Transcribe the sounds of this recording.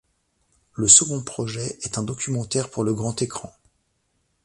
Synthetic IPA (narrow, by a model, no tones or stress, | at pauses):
ləsəɡɔ̃pχɔʒɛɛt̪ɛ̃d̪ɔkʲymɑ̃t̪ɛʁpuʁləɡʁɑ̃t̪ekχɑ̃